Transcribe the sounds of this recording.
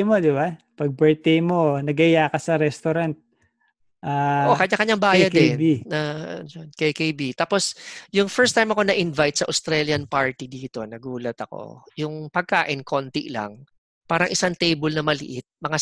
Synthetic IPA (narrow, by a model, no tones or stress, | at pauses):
mod̪ɪba | pɐɡ̚bɛɹt̪ɛjmonɐɡɐɪjaːkɐsɐɾɛst̪oɾant̪̚ | ʔaːʔokɐɲakɐɲaŋbaːjɐd̪ɛniajonkekejbit̪aːpo̞sjʊŋfɛɹst̪ːajmɐko̞nɐʔɪnvajt̪̚sɐʔost̪ɾɛljɐnpaɹt̪id̪iːt̪o̞nɐɡuːlɐt̪ɐko̞̰jʊŋpɐɡ̚kaːʔɪnkʰo̞nt̪ḭʔla̰ŋ | paːɾɐŋʔɪsaŋt̪ejbolnɐmɐlɪʔɪt̪̚mɐŋa